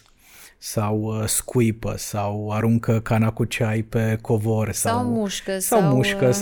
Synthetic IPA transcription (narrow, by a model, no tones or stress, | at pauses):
sawskujpə̰sawaɾuŋkəkanakut͡ʃajpe̞kʰo̞vorʲsamuʃkəsawmuʃkəs